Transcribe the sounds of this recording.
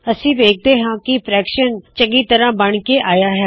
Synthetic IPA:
əsĩːʋeːk̚ʰd̪eːɦãːkɪpɾɛːkʃənt͡ʃəŋɡiːt̪əɾãːbəɳkeːʔaːjaːɦɛː

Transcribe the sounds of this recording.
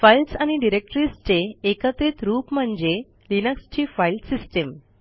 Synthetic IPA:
failʈsañiɖiɾek̚ʈɾist͡ɕeːkət̪ɾit̪ɾuːpm̤əɳd͡ze | linəkst͡ɕiːfailʈsisʈem

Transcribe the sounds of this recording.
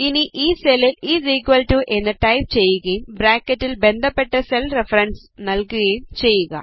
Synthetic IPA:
iniʔiːseliliːziːkʋɐlʈuʔenːɐʈɐjp̚t͡ɕejːuɣɐjumbɾaːkɐtːilbe̞nd̪ʱɐpːeʈːɐselrefɐɾɐɳɖs | nɐlkuɣɐjumt͡ɕe̞jːuɣɐ̰

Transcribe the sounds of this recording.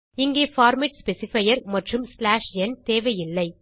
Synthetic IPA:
ɪŋɡeːfaːɾmɪʈspɛsɪfɐjɐɾmɐʈrɯmslaːʂɛnt̪eːʋɐjɪlːɐɪ

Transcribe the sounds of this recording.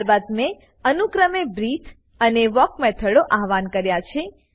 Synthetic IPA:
ɾbad̪mẽ | ənukɾəmebɾit̪ʰ | əneʋɔkmɛt̪ʰəɽoʔaɦʋankəɾjat͡ʃʰe

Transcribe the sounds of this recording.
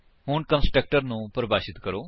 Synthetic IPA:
ɦʊɳkə̃nsʈɾək̚ʈəɾnũːpəɾəbaːʃɪt̪kəɾoː

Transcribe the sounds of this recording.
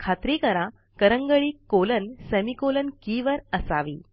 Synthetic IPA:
kʰat̪ɾikəɾã | kəɾəŋɡəɭiːkolənsəmikolənkiːʋəɾəsaʋḭː

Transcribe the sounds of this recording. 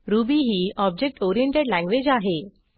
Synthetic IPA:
ɾubiɦiːɔb̚d͡ʑek̚ʈɔɾijẽɳʈeɽlæ̃ŋɡʋed͡ʑaɦe

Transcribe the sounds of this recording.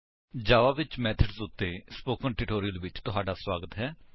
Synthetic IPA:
d͡ʒaːʋaːʋɪt͡ʃmɛːt̪ʰəɖsʊt̪ːeːspoːkə̃ŋʈɪʈoːɾiəlʋɪt͡ʃt̪ʊɦaːɖaːswaːɡət̪ɦɛː

